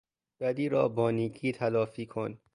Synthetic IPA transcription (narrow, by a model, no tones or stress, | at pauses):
b̥æd̪iːɾɒ̰ːbɒːniːɡʰiːt̪ʰælɒːfiːkʰon